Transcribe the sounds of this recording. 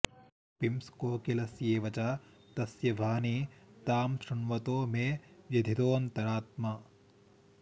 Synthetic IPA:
pimskoːkilɐsjeːʋɐt͡ʃaː | t̪ɐsjɐbʱaːnit̪aːmʃɾɐnʋɐt̪oːmeːjɐd̪ʱit̪oːnt̪ɐɾaːt̪ma

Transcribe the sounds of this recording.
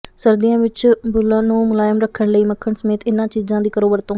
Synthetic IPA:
səɾd̪ijãːʋɪt͡ʃbʊlãːnũːmʊlaːjəmɾəkʰːəɳləiːməkʰːəɳsəmeːt̪ɪnãːt͡ʃiːzãːd̪iːkəɾoːbəɾt̪õː

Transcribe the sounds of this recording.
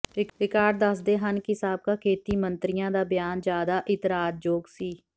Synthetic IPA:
ɪɾɪkaːɖ̚d̪əsd̪eːɦənkɪɦɪsaːb̚kaːkʰeːt̪iːmənt̪ɾɪjãːd̪aːbɪjaːnd͡ʒjaːd̪aːʔɪt̪ɾaːd̪̚d͡ʒoːɡsiː

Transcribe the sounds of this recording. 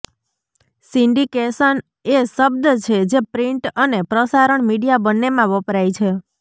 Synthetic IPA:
siɳɖikesən | eʃəb̚d̪t͡ʃʰed͡ʒepɾiɳʈənepɾəsaɾəɳmiɽijabənːemãʋəpɾajt͡ʃʰe

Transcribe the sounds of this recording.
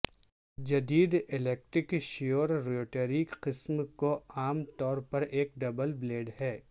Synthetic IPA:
d͡ʒɐd̪iːd̪ɪleːk̚ʈɾɪkʃijoːɾɾoːʈeːɾiːkqɪsmkoaːmt̪ɔːɾpɐɾeːk̚ɖɐbəlbleːɖhɛː

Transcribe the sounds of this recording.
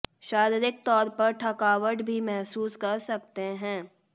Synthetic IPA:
ʃaːɾɪɾɪk̚t̪ɔːɾpɐɾʈʰɐkaːʋəʈbʱimɛɦsuːskɐɾsɐkt̪eɦɛ̃ː

